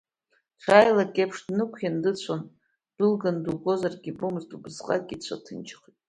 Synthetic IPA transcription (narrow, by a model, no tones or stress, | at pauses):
t͡ɕʷʰaːjlakʲʼepʰʂdnɨkʷʰjandɨt͡ɕʷʰan | d̥ɨlɡanduɡo̞zarɡʲibomɨztʼubɨzqʼa̰kʲʼit͡ɕʷʰa̰tʰɨnt͡ʃʰχitʼ